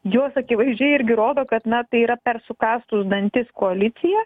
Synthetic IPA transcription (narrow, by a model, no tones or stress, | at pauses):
joːsɐkʲɪʋɐɪzʲd͡ʒʲɛɪɪɾʲɡʲɪɾoːd̪oːkɐt̪nɐt̪ɐɪiːɾɐpʲɛrsʊkɑːst̪ʊsd̪ɐnʲt̪ʲɪskoɐlʲɪt̪sʲɪjɛ